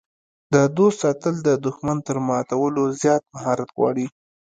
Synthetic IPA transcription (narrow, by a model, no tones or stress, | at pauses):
d̪əd̪ost̪sɑt̪əld̪əd̪ʊxmant̪əɾmɑt̪awəlozjɑt̪̚maɦɑɾat̪ɣwɑ̰ɽi